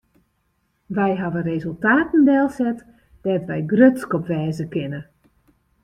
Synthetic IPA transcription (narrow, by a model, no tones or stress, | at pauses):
ʋɛjɦaʋərezəlˠtaːtən̩dɛlˠsɛt | d̥ɛtʋɛjɡrøtskɔpʋɛːzəkɪnə